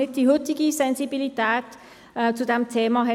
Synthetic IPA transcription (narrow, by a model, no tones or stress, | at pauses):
et̪̚d̪iɦot̪iɡisɛ̃nsibilit̪at̪ | t͡sud̪ɛmt̪ʰɛmaɦɛ